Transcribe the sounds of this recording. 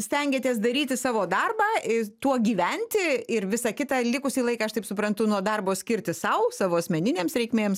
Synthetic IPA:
sʲt̪ʲɛŋʲɡʲeːt̪ʲiɛs̬d̪ɐɾʲiːt̪ʲɪsɑːʋoːd̪ɐrbɑːɪt̪uɔɡʲiːʋʲɛnʲt̪ʲɪɪɾʋʲɪsɑkʲɪt̪ɑːlʲɪkʊsʲiːlˠɐɪkɑːɐʃt̪ɐɪpsʊpɾɐnt̪ʊnuɔd̪ɐrboːsʲkʲɪɾʲt̪ʲɪsɐʊsɑːʋoːɐsʲmʲɛnʲɪnʲeːmsɾʲɛɪkmʲeːms

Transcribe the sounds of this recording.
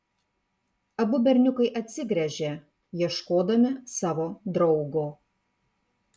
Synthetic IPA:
ɐbʊbʲɛɾʲnʲʊkɐɪʔɐt̪ʲsʲɪɡɾʲɛʒʲeː | jiɛʃkoːd̪ɐmʲɪsɑːʋoːd̪ɾɒʊɡoː

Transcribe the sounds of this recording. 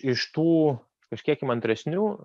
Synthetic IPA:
ɪʃt̪uː | kɐʃʲkʲiɛkɪmɐnʲt̪ʲɾʲɛsʲnʲuː

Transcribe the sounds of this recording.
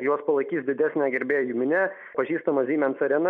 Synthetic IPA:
joɔspɐlˠɐɪkʲiːsʲd̪ʲɪd̪ʲæsʲnʲɛɡʲɛɾʲbʲeːjuːmʲɪnʲɛ | pɐʒʲiːst̪ɐmɐzʲiːmʲɛnt̪sɐɾʲɛnɐ

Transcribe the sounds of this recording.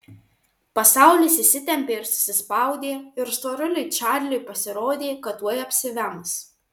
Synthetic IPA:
pɐsɑˑʊlʲiːsʲɪsʲɪt̪ʲɛmʲpʲeːɪɾsʊ̥sʲɪspɑˑʊd̪ʲeːɪɾst̪oːɾʲʊlʲʊɪt͡ʃʲɑːɾʲlʲʊjpɐsʲɪɾoːd̪ʲeːkɐt̪ːuɔjɐpʲsʲɪʋʲæms

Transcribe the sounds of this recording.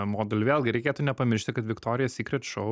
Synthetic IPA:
moːd̪ʲɛlʲʋʲeːlˠɡʲɪɾʲɛɪkʲeːt̪unʲɛpɐmʲɪɾʲʃʲt̪ʲɪkɐt̪ʋʲɪkt̪oːɾʲɪjɛsʲiːkɾʲɛt̪ʃoʊ

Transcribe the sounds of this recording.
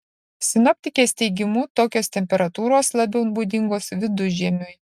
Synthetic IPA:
sʲɪnɔpʲt̪ʲɪkʲeːsʲt̪ʲɛɪɡʲɪmuːt̪oːkʲoːst̪ʲɛmʲpʲɛɾɐt̪uːɾoːslˠɐbʲɛʊnbuːd̪ʲɪŋɡoːsʋʲɪd̪ʊʒʲɛmʲʊj

